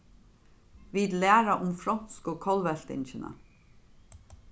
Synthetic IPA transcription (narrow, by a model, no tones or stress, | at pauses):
ʋiːd̪læːɾɑʔʊmfɾɔnskoːkʰɑlʋɛɬt̪ɪ̰nçənə̰